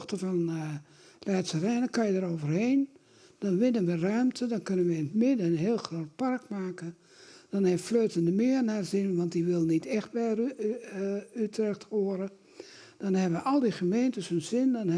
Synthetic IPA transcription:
xtəfɔn | rɛːtsərɛːnəkajədəɾoːvərheːn | d̥ɔnʋɪnənʋərœɥmtʰədɔnkønənʋəɪnmɪdəənɦeːəlˠxroːt̚parkmaːkə | d̥ɔnhɛffløːtəndəmɪːərnarzɪnʋɔntdiʋɪlˠnitɛxt̚bɛ | ytrɛxtoəɾə | d̥ɔnhɦɛbəʋəʔɔlˠdiχəmeːntəshønzɪndɔn

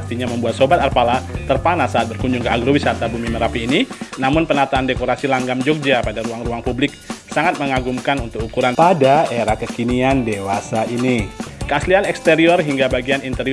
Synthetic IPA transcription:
k̚t̪iɲaməmbuat̪̚sobat̪arpalat̪ərpanasːaːt̪̚bərkuɲd͡ʒuŋkəaɡɾowisat̪abumiməɾapiːninamʊnpənat̪aːndekoɾasilaŋɡamd͡ʒɔk̚d͡ʒapadaɾuaŋruaŋpublɪk̚saŋat̪̚məŋaɡumkanunt̪ʊk̚ukuɾanpadaeɾakəkiniandewasaʔinikəaslianɛkst̪eɾiɔrɦiŋɡabaɡianint̪əɾi

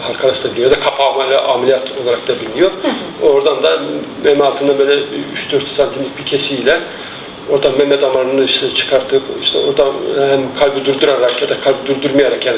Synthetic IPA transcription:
halʲˠkʰaɾasd̪abilʲijad̪akʰapʰamalʲˠaʔaːmeijat̪ʰo̞lˠaɾak̚d̪abilʲinjo̞ɾ | o̞ɾd̪and̪amemɛalˠt̪ʰɯnd̪abølʲɛyʃd̪øɾt̪sant̪ʰimʲic̚bʰicʰesiːlʲɛ | o̞ɾd̪amɛmːɛd̪amanɯnɯiʃt̪ʰɛt͡ʃʰɯ̥kʰaɾt̪ʰɯpiʃt̪ʰɛ̰oɾd̪ahæmkʰalʲbɯd̪uɾd̪uɾaɾakjad̪akʰalʲbɯd̪uɾd̪yɾmajaɾakjaːni

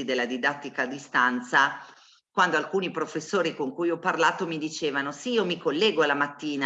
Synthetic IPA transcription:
id̪elːad̪id̪at̪ːikad̪ist̪ant̪sa | kwand̪oalkuːnipɾofesːoːɾikoŋkujɔpːarlaːt̪omid̪it͡ʃeːvanosiiomikolːɛːɡoalːamat̪ːiːna

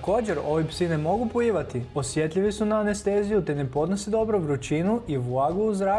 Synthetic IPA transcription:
ko̞ːd͡ʑeɾo̞ʋipsine̞mo̞ɡupoiːʋat̪io̞sje̞t̪ʎʲiʋisunaːnest̪eːzijut̪ene̞po̞d̪nosid̪o̞bɾoʋɾut͡ɕinuʔiʋlaɡuuzɾa

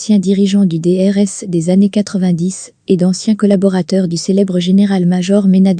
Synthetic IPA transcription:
sjɛ̃d̪iʁiʒɑ̃d̪yd̪eɛʁɛsd̪ezanekat̪χəvɛ̃d̪is | ed̪ɑ̃sjɛ̃kɔlabɔʁat̪œʁd̪yselɛbʁəʒeneʁalmaʒɔʁmenad̪

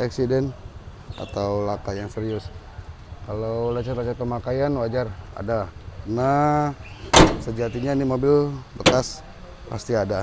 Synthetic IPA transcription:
ʔaksidɛn | a̰t̪awlakajaŋsəɾiʊs | kalawlat͡ʃat̪lat͡ʃat̪̚pəmakajanwad͡ʒara̰dana | səd͡ʒat̪iɲanimobɪlbəkas | pa̰st̪iada

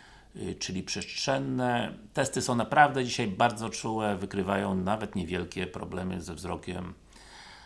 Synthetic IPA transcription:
t͡ʂɘlʲipʂɛstʂɛnːɛt̪ɛst̪ɘsɔ̃w̃napɾavd̪ɛd͡ʑiɕajbaɾd̪zɔt͡ʂuwɛvɘkɾɘvajɔ̃w̃navɛt̪ɲɛvʲjɛlkʲɛpɾɔ̰blɛmɘ̰zɛvzɾɔkʲɛ̰m

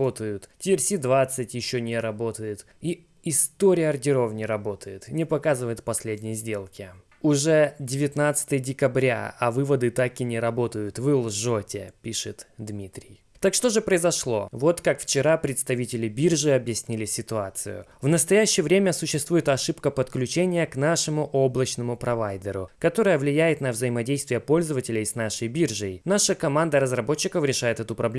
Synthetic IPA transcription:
ot̪əjʊt̪tʲɪɪrsʲid̪vat̪sɨtʲjɪɕːonʲɪɾɐbo̞t̪əjɪt̪ | i | ɪst̪oɾʲɪjəɐrdʲɪɾo̞vnʲɪɾɐbo̞t̪ʰəjɪt̪nʲɪpɐkazɨvəjɪt̪pɐsʲlʲedʲnʲɪjəzʲdʲe̞lˠkʲɪ | ʊʐɛdʲɪvʲɪt̪nat̪sɨ̥t̪əjədʲɪkɐbɾʲa̰ɐvɨvəd̪ɨt̪akɪnʲɪɾɐbo̞t̪əjʊt̪vɨlˠʐotʲɪ̰pʲiʂɨt̪d̪mʲit̪ɾʲɪ̰j | t̪akʂt̪o̞ʐɨpɾəɪzɐʂlˠo̞̰vo̞t̪kakft͡ɕɪɾapɾʲɪt̪st̪ɐvʲitʲɪlʲɪbʲirʐɨɐbjɪsʲnʲilʲɪsʲɪt̪ʊat̪sɨ̰jʊ̰vnəst̪ɐjæɕːɪjəvɾʲemʲəsʊɕːɪst̪vujɪt̪ɐʂɨpkəpət̪klʲʉt͡ɕenʲɪjəknaʂɨmʊʔo̞blˠət͡ɕnəmʊpɾɐvajd̪ʲɪɾʊkɐt̪o̞ɾəjəvlʲɪjæjɪt̪nəvzəjɪmɐdʲejst̪vʲɪjəpo̞lʲzəvətʲɪlʲɪjsnaʂəjbʲirʐəjnaʂəkɐmand̪əɾəzrɐbo̞t͡ɕːɪkəfɾʲɪʂajɪt̪ɛt̪ʊpɾɐblʲe

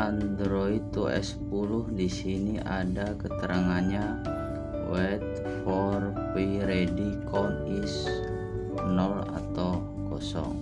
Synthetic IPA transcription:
ʔand̪ɾoit̪uɛ̰spulʊhdisiniʔadakət̪əɾʔaŋanɲa | wɛt̪̚ | fɔrpiɾedikʰɔnis | nɔla̰t̪aw | kɔsɔ̰ŋ

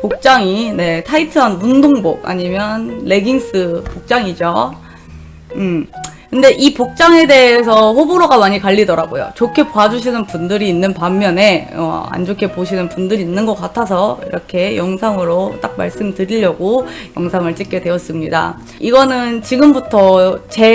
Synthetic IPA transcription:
pok̚t͡ɕ͈aŋine̞tʰaitʰɯɦanmundoŋbok̚a̰ɲimjʌnle̞ɡiŋs͈ɯpok̚t͡ɕ͈aŋid͡ʑo | kɯnde̞ʔipok̚t͡ɕ͈aŋe̞de̞ɦesʰʌɸoboɾoɡamaɲikaʎːidʌɾaɡo̰jo̰t͡ɕokʰe̞pad͡ʑuɕ̬ʰinɯnpundɯɾiːnːɯnpamːjʌne̞ʌ̰a̰nd͡ʑokʰe̞poɕʰinɯnpundɯɾiːnːɯnɡʌk͈atʰas̬ʰʌḭɾʌkʰe̞jʌŋsʰaŋɯɾot͈ak̚ma̰ɭs͈ɯmtɯɾiʎːʌɡo | jʌŋsʰaŋɯɭt͡ɕ͈ik͈e̞dwe̞ʌs͈ɯmɲida̰ | iɡʌnɯnt͡ɕiɡɯmbutʰʌt͡ɕe̞

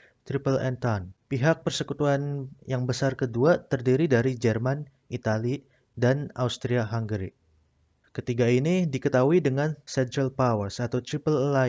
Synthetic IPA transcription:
t̪ɾipəlɛ̰nt̪anpiɦak̚pərsəkut̪uanjaŋbəsarkəduat̪ərdiɾidaɾid͡ʒɛrman | it̪ali | danawst̪ɾiaɦaŋɡɾḭ | kət̪iɡainidikət̪auidəŋansɛnt̪ɾəlpawərsat̪awt̪ɾipəlːa

